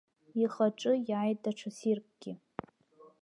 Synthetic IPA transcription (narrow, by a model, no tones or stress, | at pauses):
iχaʈ͡ʂʼɨjajtaʈ͡ʂʰasirpʷʼɡ̥ʲɪ